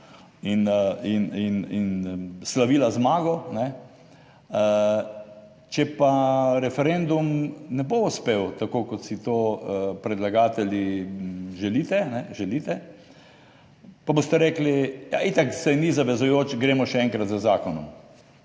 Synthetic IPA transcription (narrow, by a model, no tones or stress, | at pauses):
ininininslaʋiːlazmaːɡɔnɛ | ə | t͡ʃɛpaɾɛfɛɾend̪umnɛboʊspewt̪akokɔt̪sit̪oːəpɾɛd̪laɡaːt̪ɛlji | ʒɛlit̪ɛnɛʒɛliːt̪ɛ | pabost̪ɛɾɛːklija̰it̪aksɛjnizaʋɛzʊjoːt͡ʃɡɾeːmɔʃɛɛŋkɾat̪zəzaːkɔnɔ̰m